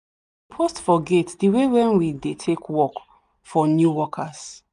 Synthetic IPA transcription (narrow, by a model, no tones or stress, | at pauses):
pʰɔstfɔɡetdiwewɛ̃nwidetʰekwɔk | fɔnjuwɔkʰas